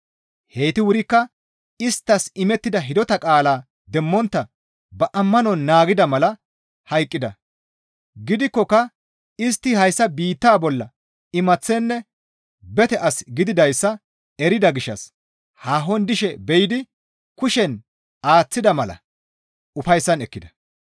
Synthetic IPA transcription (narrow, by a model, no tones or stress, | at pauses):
heːt̪ɪwʊɾɪkːɐ | ɪst̪ːɐsɪmɛt̪ːɪd̪ɐɦɪd̪ɔt̪ɐkʼaːlaː | d̪ɛmːɔnt̪ːɐ | bɐʔɐmːɐnɔnːaːɡɪd̪ɐmɐlɐ | hɐjkʼːɪd̪ɐ | ɡɪd̪ɪkːɔkːɐ | ɪst̪ːɪhɐjsːɐbiːt̪ːaːbɔlːɐ | ɪmɐt͡sːɛnːɛ | bɛt̪ɛʔɐsɡɪd̪ɪd̪ɐjsːɐ | ɛɾɪd̪ɐɡɪʃːɐ̰s | haːɦɔnd̪ɪʃɛbɛjɪd̪ɪ | kʊʃɛn | aːt͡sːɪd̪ɐmɐlɐ̰ | ʊfɐjsːɐnɛkːɪd̪ɐ̥